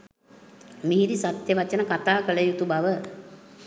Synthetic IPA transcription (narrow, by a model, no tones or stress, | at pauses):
miɦid̪isat̪jəʋat͡ʃənəkat̪aːkələjut̪ubaʋə